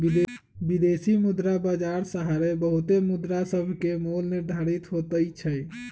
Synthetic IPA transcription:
i | bid̪esimud̪ɾabad͡ʒaɾsəɦaɾebəɦut̪emud̪ɾasəbʱkemolniɾd̪ʱaɾit̪ɦot̪əjt͡ʃʰəj

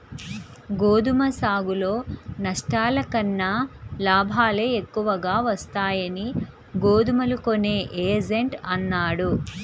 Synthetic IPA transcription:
ɡoːd̪umɐsaːɡulo̞ːnɐʂʈaːlɐkɐnːɐlaːbʱaːleekːuʋɐɡaːʋɐst̪aːjɐni | ɡoːd̪umɐlukone̞ːʔeːd͡ʒeɳʈɐnːaːɽu

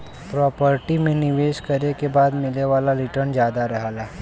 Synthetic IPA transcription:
pɾɔːpəɾʈimẽnɪʋeːʃkəɾekebaːd̪mɪleʋaːlaɾɪʈəɾnd͡ʒjaːd̪aɾɐɦalaː

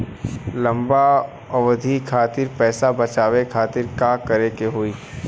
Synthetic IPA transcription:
lɐ̃mba | ɔʋɐd̪ʱikʰaːt̪ɪɾpɛːsabɐt͡ʃaːwekʰaːt̪ɪɾkakɐɾekeɦoːiː

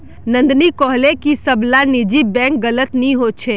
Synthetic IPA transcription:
nə̃nd̪nikɔɦlekisəblanid͡ʒibɛ̃k̚ɡələt̪niɦot͡ʃʰe

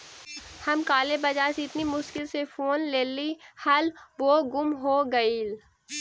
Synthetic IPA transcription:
hɐmkaːlebɐd͡ʒaːɾseɪt̪nimʊʃkɪlsefʰoːnleːlihɐlboːɡʊmɦoːɡɐil

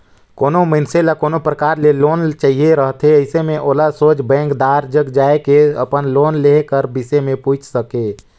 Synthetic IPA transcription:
koːnomənselakoːnopɾəkaːɾleloːnt͡ʃaːɦieɾəɦt̪ʰɦeəɪsemẽʔoːlasoːt͡ʃbɛ̃ːŋkd̪aːɾd͡ʒəɡd͡ʒaːekeə̰pənloːnlekəɾbɪsemẽpuːt͡ʃʰsəkeː

